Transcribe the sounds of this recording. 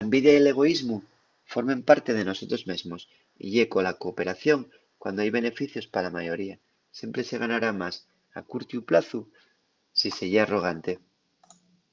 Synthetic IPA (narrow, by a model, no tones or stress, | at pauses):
laembiðjajele̞ɣ̞o̞izmu | fo̞ɾmẽ̞mpaɾt̪e̞ð̞e̞no̞so̞t̪ɾo̞zmezmo̞s | ḭʝe̞ko̞lako̞pe̞ɾaθjo̞ŋ | kwa̰nd̪oajβe̞ne̞fiθjo̞spalamajo̞ɾia | sje̞mpɾe̞se̞ɣ̞anaɾamas | a̰kuɾt̪juplaθu | sise̞ʎaro̞ɣ̞ant̪e̞